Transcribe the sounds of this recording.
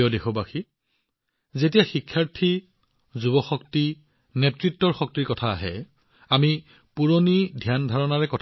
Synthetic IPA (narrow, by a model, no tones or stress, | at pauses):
ɔdexɔbaxi | zetijaxikʰːaɹtʰi | zubɔxɔk̚ti | netɹitːɔɹxɔk̚tiɹkɔtʰa̰ːɦɛ̰ | ami | puɹonidʱijandʱaɹɔnaɹɛkɔtʰ